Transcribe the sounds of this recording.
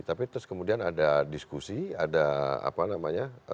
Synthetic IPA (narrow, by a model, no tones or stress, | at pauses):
t̪apit̪ʊskəmudianadadiskusia̰daa̰panamaɲa